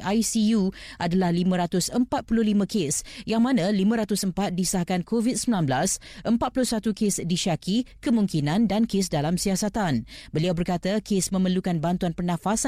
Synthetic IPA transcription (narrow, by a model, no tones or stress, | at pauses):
ʔajsijuʔadalahlimə̃ɾat̪ʊsəmpat̪̚puluhlimãkesjaŋmãnãlimə̃ɾat̪ʊsəmpat̪̚disahkankʰovid̚səmilanblasʔəmpat̪̚pulʊsat̪ukesdiʃakikəmũŋkinãndankesdalamsiasat̪anbəliawbərkat̪akesmə̃mərlukanbant̪uanpərnãfasa